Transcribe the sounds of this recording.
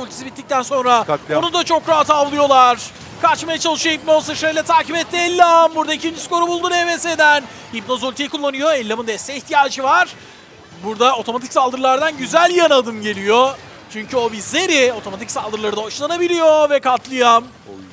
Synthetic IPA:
olʲt̪ʰe̥sibit̪ːic̚t̪ʰænso̞nɾaonud̪at͡ʃʰo̞kɾaɦat̪avlˠɯjo̞lˠaɾ̥ | kʰaɾt͡ʃmajat͡ʃʰalˠɯʃɯjoip̚no̞sɯʃejlʲɛt̪ʰaːcibɛt̪ːiɛlʲːambuɾd̪aicʰind͡ʒisko̞ɾubulˠd̪unevɛse̞d̪æn | hip̚no̞zolʲt̪ʰijikʰulˠːanɯjo̞elʲːamɯnd̪ɛsɛiçt̪ijaːd͡ʒɯvaɾ̥ | buɾd̪ao̞t̪ʰo̞mat̪ʰicsalˠd̪ɯɾlˠaɾd̪anɟyzælʲjanad̪ɯmɟe̞lʲijo | t͡ʃʰyɲcʰyo̞bize̞ɾɪo̞t̪ʰo̞mat̪ʰicsalˠd̪ɯɾlˠaɾɯd̪auʃlˠanabilʲijo̞vɛkʰat̪ʰlˠɯjam

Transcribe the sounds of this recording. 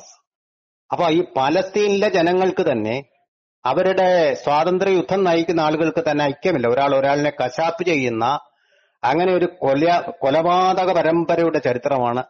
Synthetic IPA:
ɐpːoːiːpaːlɐst̪iːnilːɐd͡ʑe̞nɐŋːɐɭkɨt̪ɐnːe̞̰ | ɐʋɐɾuɽe̞swaːt̪ɐnd̪rɐjud̪ʱːɐmnaːjikʲːunːɐaːɭuɣɐɭkɨt̪ɐnːe̞ɐjkʲːɐmilːɐo̞ɾaːɭo̞ɾaːɭine̞kɐɕaːpːɨt͡ɕe̞jːunːɐː | ŋːɐne̞o̞ɾukolɐkolɐbaːd̪ɐɣɐpɐɾɐmbɐɾɐjuɽe̞t͡ɕɐɾit̪rɐmaːɳɨ

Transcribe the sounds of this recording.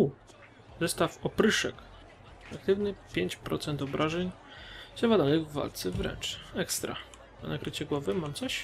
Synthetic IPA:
u | zɛst̪afɔpɾɘʂɛ̰k | akt̪ɘvnɘpʲjeɲt͡ɕpɾɔ̰t̪sɛnt̪ɔbɾʔaʐɛɲzɛvad̪anɘɣvːa̰lt̪sɛvɾɛ̰nt͡ʂɛkst̪ɾa̰ | a̰nakɾɘt͡ɕɛɡwɔvɘmamt̪sɔɕ

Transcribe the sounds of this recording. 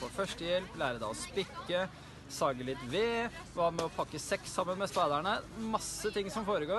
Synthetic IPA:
ɔfœʂʈəjɛlplæːɾəd̪æɪɔspɪkːə | sɑːɡəlɪt̪ʋeːʋɑːmɛɔpʰɑkːəsɛksːɑmːənmɛspæɪd̪æɳəmɑsːət̪ʰɪŋsɔmfoːɾəɡoː

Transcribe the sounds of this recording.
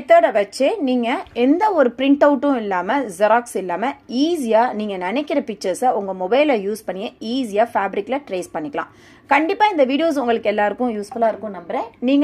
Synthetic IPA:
t̪ːɐɽɐʋɐt͡ʃːeniːŋɡɐɛnd̪ɐɔɾɯpɪɾɪɳʈɐʊʈːʊ̃ɪlːaːmɐzɐɾaːksɪlːaːmɐiːsɪjaːniːŋɡɐnɐnɛkːɪɾɐpɪk̚t͡ʃɐɾsɐʊŋɡɐmɔbɐɪlɐjuːspɐɳːɪjɐ̃iːs̬ɪjaːfaːbɪɾɪkːlɐʈɾeːspɐɳːɪkːɐɭã̰ː | kɐɳɖɪpːaːɪnd̪ɐʋiːɽɪjoːs̬ʊŋɡɐɭɯkːɛlːaːɪɾɯkːʊ̃juːsfʊlaːɪɾɯkːʊ̃nɐmbɪɾẽːniːŋɡ

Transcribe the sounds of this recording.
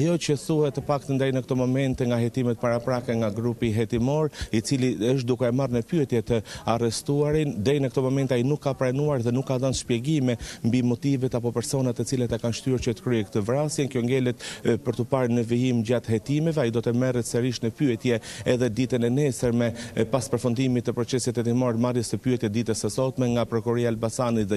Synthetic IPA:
ajɔt͡ɕəθuhɛt̪ːəpak̚t̪ənd̪ɛjnəkt̪ɔmɔmɛnt̪ɛŋɡaɦɛt̪imɛt̪̚paɾapɾakɛŋɡaɡɾupiɦɛt̪imɔɾit͡siliəʃ̬t̪̚d̪ukɛːmarnəpyɛt̪jɛt̪əarɛst̪uaɾind̪ɛjnəkt̪ɔmɔmɛnt̪ajinukːapɾanuaɾðɛnukːaðanʃpjɛɡimɛmbimɔt̪ivɛt̪apɔpɛɾsɔnat̪ːɛt͡silat̪akanʃt̪yɾt͡ɕət̪ə̥kɾyɛkt̪əvɾasjɛnkjɔŋɡɛlɛt̪pəɾt̪əpaɾnəvijimd͡ʑat̪hɛt̪imɛvɛaid̪ɔt̪ɛmɛrɛt̪sɛɾiʃnəpyɛt̪jɛɛðɛd̪it̪ənɛnɛsəɾmɛpaspəɾfund̪imit̪ːəpɾɔt͡sɛsit̪ɛt̪imɔɾmarjɛsəpyɛt̪jɛt̪̚d̪it̪əsəsɔt̪mɛŋɡapɾɔkuɾiaːlbasanit̪ðɛ

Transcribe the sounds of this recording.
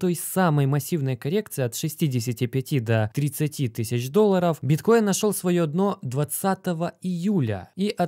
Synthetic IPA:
t̪o̞jsʲtʲsaməjmɐsʲːivnəjəkɐɾʲe̞k̚t̪sɨɪɐt̪ʂɨsʲtʲidʲɪsʲɪtʲɪpʲɪtʲid̪ɐt̪ɾʲɪt̪sɨtʲit̪ɨsʲɪt͡ɕd̪o̞lˠːəɾəfbʲɪt̪ko̞jɪnːɐʂolˠsvɐjoɐd̪no̞d̪vɐt̪sat̪əvəɪjulʲə̰iʔɐ

